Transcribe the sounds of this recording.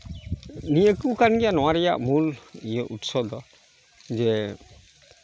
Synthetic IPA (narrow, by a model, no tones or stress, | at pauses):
nijekukanɡijanɔwaɾija̰ʔmulijɛʔutsɔd̪ɔ | zɛ